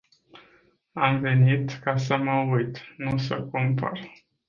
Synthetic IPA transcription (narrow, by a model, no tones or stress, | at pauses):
amve̞nit̪kasəməujt̪nusəkumpə̰r